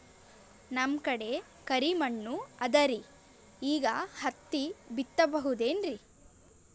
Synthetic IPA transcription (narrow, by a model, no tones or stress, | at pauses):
nɐmkɐɽe̞ | kɐɾimɐɳːuɐd̪ɐɾi | iːɡɐhɐt̪ːibit̪ːɐbɐɦud̪e̞ːnɾi